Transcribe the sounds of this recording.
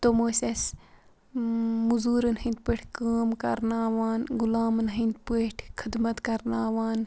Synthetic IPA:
t̪omoːsʲɐs | muzuːɾɨnhĩnd̪̚peːʈʰkaːmkɐɾnaːʋaːnɡulaːmɨnɦind̪̚peːʈʰkʰɨd̪mɐt̪kɐɾnaːʋaːn

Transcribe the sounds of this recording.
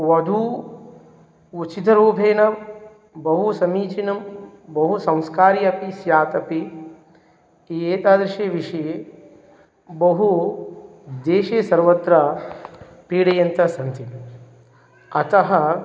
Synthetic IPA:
ʋɐd̪ʱu | t͡ʃit̪ʰɐɾuːbʱeːnɐ | bɐɦusɐmiːt͡ʃinɐmbɐɦusɐ̃w̃skaːɾiɐpisjaːt̪ɐpi | eːt̪aːd̪ɾiʃeːʋiʂɐje | bɐɦu | d̪eːʃeːsɐɾʋɐt̪ɾɐ | piːɽɐjɐnt̪ɐsɐnt̪i | ɐt̪ɐɦɐ

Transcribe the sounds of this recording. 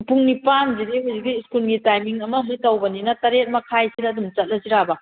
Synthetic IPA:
puŋnipanzidiɦujzikiskulɡitajmiŋɐmɐɦijtɐwbɐninɐtɐɾet̚mɐkʰajsidɐːdumt͡ʃɐt̚lɐziɾabɐ

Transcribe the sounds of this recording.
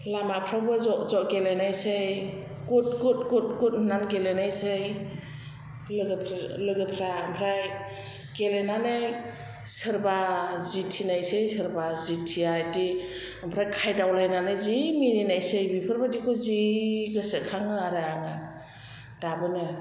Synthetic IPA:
lamapʰɾawbɯzɔʔzɔʔɡelenajsɯj | kut̚ɡut̚kut̚kut̚nanɡelenajsɯj | lɯɡɯpʰɾlɯɡɯpʰɾaːmpʰɾaj | ɡelenanɯ | sɯɾbazitʰinajsɯjsɯɾbazitʰiadi | ampʰɾajkʰajdawlajnanɯzimininajsɯjbipʰɯɾbadikʰɔziɡɯsɯkʰaŋɯaɾɯaŋa | d̥abɯnɯ

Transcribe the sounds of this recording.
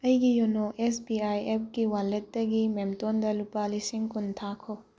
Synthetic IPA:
ɐjɡijonoʔesbiajep̚kiwalːet̚dɐɡimemtondɐlupalisiŋkuntʰakʰo

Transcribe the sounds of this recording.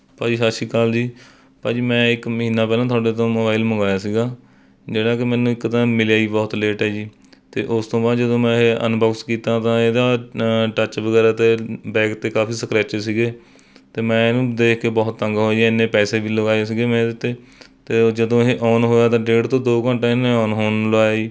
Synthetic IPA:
paːd͡ʒiːɦaːʃiːkaːld͡ʒiː | pãːd͡ʒiːmɛ̃ːɪkməɦiːnaːpɛːlãːt̪ʰʊwaːɖeːt̪õːmoːbaːɪlməŋɡaːjaːsiːɡaː | d͡ʒeːɽaːkɪmɛ̃ːnũːɪkːt̪ãːmɪljaːiːbɔːt̪leːʈɦɛːd͡ʒiː | t̪ḛːʔʊst̪õːbaːd̪d͡ʒəd̪õːmɛ̃ːeʔə̰nbɔːkskiːt̪ãːt̪ãːeːd̪aːʈət͡ʃʋəɡɛːɾaːt̪eːbɛ̃ːkt̪eːkaːfʰiːsəkɾɛːeːsiːɡeː | t̪eːmɛ̃ːnũːd̪eːkʰkeːbɔːt̪ːəŋɡɦoːaɪnːẽːpɛːseːʋiːləɡaːes̬iːɡeːmɛ̃ːd̪ɪt̪ːeː | t̪eːd͡ʒəd̪õːɦeːʔɔːnɦoːjaːt̪ãːɖeːʈt̪õːd̪oːkəɳʈẽːɪneːɔːnɦoːnləaːjaːiː

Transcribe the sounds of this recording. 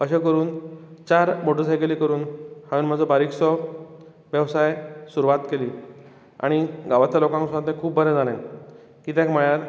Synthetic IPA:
əɕekəɾuːnt͡ɕaɾmoʈəsajkelikəɾuːnhãunm̤ad͡zʱɔbaɾiksɔ | ʋjəʋsajsuɾuʋat̪keliː | a̰ɽ̃iɡaʋat̪jalokãŋksãt̪ẽkʰuːbbʱəɾɛ̃d͡zalẽn | kiːt̪jãkm̤əɭjaɾ

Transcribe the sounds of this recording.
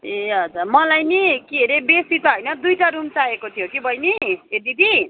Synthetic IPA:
eɦʌd͡zarmʌlajnikieɾebesit̪ʌɦojnʌd̪ujʈaɾumt͡saekot̪ʰijokibʱʌjnied̪ibʱi

